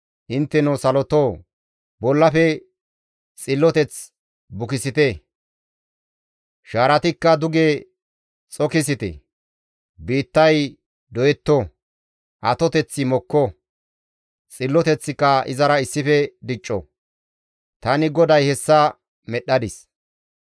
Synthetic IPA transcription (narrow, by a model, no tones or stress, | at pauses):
ʔɪnt̪ːɛnɔsɐlɔt̪oː | bɔlːɐfɛ | t͡sʼɪlːɔt̪ɛt͡s | bʊkɪsɪt̪e | ʃaːɾɐt̪ɪkːɐd̪ʊɡeː | t͡sʼɔkɪs̬ɪt̪ɛ̰ | biːt̪ːɐj | d̪ɔjɛt̪ːɔ | ʔɐt̪ɔt̪ɛt͡sːɪmɔkːɔ | t͡sʼɪlːɔt̪ɛt͡sːɪkːɐʔɪ̰zɐɾɐɪsːɪfɛd̪ɪt͡ʃʼːɔ̰ | t̪ɐnɪɡɔd̪ɐjhɛsːɐ | mɛɗːɐd̪ɪs